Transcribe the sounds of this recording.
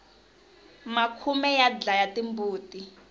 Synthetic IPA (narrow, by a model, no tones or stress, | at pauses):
makʰumɛjad͡ɮajatimbuːtʼi